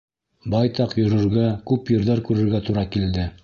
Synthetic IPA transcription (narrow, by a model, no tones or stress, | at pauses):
bɑjt̪ɑqjŏɾɵ̆ɾɡækʉpjɤ̆ɾðɑɾkʉɾɘ̆ɾɡæt̪uɾɑkild̪ɘ